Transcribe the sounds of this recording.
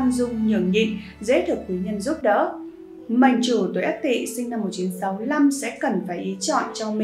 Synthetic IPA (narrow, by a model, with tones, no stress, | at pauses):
nzʊ˧ŋ͡mɲɨ̰˧˩əŋɲḭ˧˨ŋ | zḛ˧˥t̪ʰɨ˨˩k̚wi˨˦ɲə˧nzʊ˦˥p̚ɗə̰˧˥ | ma˨˩˨jŋ̟t͡ɕu˧˩t̪wjʔə˦˥t̪ḭ˧˨sï˧ŋ̟na˧mːo˨˩t̚t͡ɕi˨˦nsa˨˦mɨ˧˩əjla˧msɛ̰˧˥kə˨˩nfaː˧˩jʔi˨˦t͡ɕɔ̰˧˨nt͡ɕɔ˧mi˨